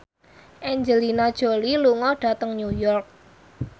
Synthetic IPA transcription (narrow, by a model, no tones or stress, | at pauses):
ʔɛɲd͡ʒəlinad̥ʒ̥o̤liluŋɔɖ̥a̤t̪əŋnujɔrk̚